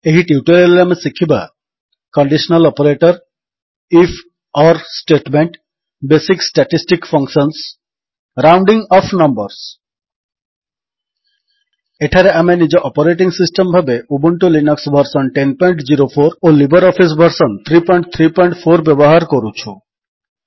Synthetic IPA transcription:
eɦiʈiuʈoɾilamesikʰiba | kɔɳɖisɔnalɔpoɾeʈɔɾ | ifʰ | ɔɾsʈeʈmeɳʈ | besiksʈaʈisʈikfʰɔŋksɔns | ɾawɳɖiŋɔpʰnɔmbɔɾs | eʈʰaɾeamenid͡ʑeʔɔpoɾeʈ̬iŋsisʈembʱabeubuɳʈolinɔksbʱɔɾsɔnʈenpɔj̃ɳʈd͡ʑiɾopʰoɾolibɔɾɔfʰis̬bʱɔɾsɔnt̪ʰɾipɔjɳʈ̚t̪ʰɾipɔjɳʈfʰoɾbɛboɦaɾkoɾut͡ɕʰu

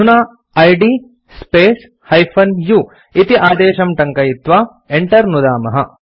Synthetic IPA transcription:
unaː | ɐjɖiː | speːs | hɐjpʰɐnjuː | it̪iʔaːd̪eːʃɐmʈɐŋkɐjit̪ʋaː | eɳʈɐɾnud̪aːmɐɦɐ

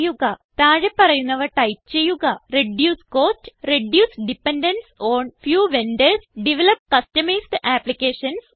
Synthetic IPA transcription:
juɣɐt̪aːɻepːɐrɐjunːɐʋɐʈɐjpt͡ɕe̞jːuɣɐreɖjuːsko̞ːtːreɖjuːsɖipːenɖɐnsoːɳfjuːʋendelsɖiʋelɐp̚kɐstɐmejsɖʔaːplikʲːeːʂɐns

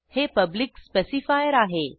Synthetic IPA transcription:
heːpɐblɪkspesifaːjəɾaːɦeː

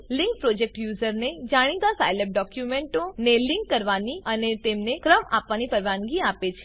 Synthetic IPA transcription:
lɪ̃ŋk̚pɾod͡ʒek̚ʈjuzəɾned͡ʒaɽ̃it̪asajlep̚ɖɔkjumeɳʈõneliŋkːəɾʋaniənet̪emnekɾəma̰pʋanipəɾʋanɡiapet͡ʃʰe̥

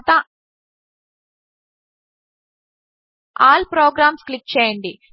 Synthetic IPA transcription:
t̪ɐ | aːlpɾoːɡɾaːmsklik̚t͡ʃɛːjɐɳɖi

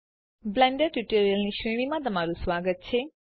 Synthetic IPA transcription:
blɛ̃ɳɖəɾʈjuʈoɾijəlniʃʋeɽ̃imãt̪əmaɾũsʋaɡət̪̚t͡ʃʰe

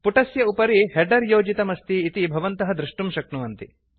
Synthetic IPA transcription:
puʈɐsjɐupɐɾiheɖɐɾjoːd͡ʒit̪ɐmɐst̪iːt̪ibʱɐʋɐnt̪ɐɦɐd̪ɾɪʂʈumʃɐk̚nuʋɐnt̪i

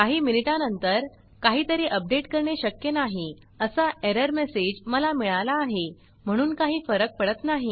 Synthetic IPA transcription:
kaɦiːminiʈanənt̪əɾ | kaɦiːt̪əɾeʔəp̚ɖeʈkəɾɳeɕəkjenaɦi | əsaʔeɾəɾmesed͡ʑməlamiɭalaːɦe | m̤əɽ̃uːnkaɦiːfəɾək̚pəɽət̪naɦi

